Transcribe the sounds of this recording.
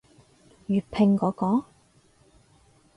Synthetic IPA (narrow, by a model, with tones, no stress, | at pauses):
jyː˨˩pʰɪ˧ŋkɔː˨˥kɔː˨˥ŋ